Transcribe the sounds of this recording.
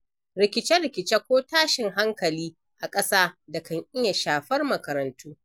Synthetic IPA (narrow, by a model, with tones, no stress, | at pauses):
ɾɪ˨kʲɪ˨t͡ʃɛ˦ɾɪ˨kʲɪ˨t͡ʃe˦kʷoː˦taː˦ʃɪ˨ŋɦa˦ŋkɐ˨liː˦ | ʔa˨kʼɐ˦saː˦da˨kɐ˨ŋʔɪ˦ja˨ʃaː˨ɸɐ˦rmɐ˨kɐ˨ɾɐ˨ntuː˦